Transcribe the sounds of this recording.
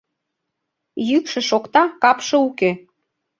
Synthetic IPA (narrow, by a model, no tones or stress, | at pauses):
jykʃĕʃokt̪ɑkɑpʃɤ̆uke